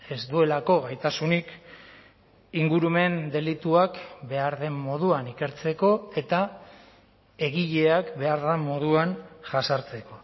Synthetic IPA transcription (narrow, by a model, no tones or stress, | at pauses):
e̞zd̪ue̞lako̞ɣajt̪asunik | iŋɡuɾume̞nd̪e̞lit̪uakbe̞aɾðe̞mːo̞ð̞uanike̞ɾt͡se̞ko̞e̞t̪a | e̞ɣiʎe̞akbe̞aɾðamo̞ð̞uanʝasaɾt͡se̞ko̞